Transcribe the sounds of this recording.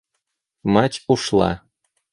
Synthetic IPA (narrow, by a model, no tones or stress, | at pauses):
matʲuʃlˠɑ̰